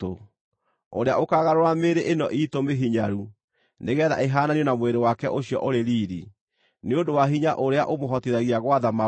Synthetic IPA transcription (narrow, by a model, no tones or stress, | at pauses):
o | oɾeaʔokaɣaɾoɾameɾeʔenɔʔitomeɦiɲaɾu | neɣɛːða̰ʔeɦaːnaniɔnamweɾewakɛʔoɕiɔ̰ʔoɾeɾiːɾi | neodowaɦiɲaʔoɾeaʔomoɦɔteɾaɣiaɣwaðama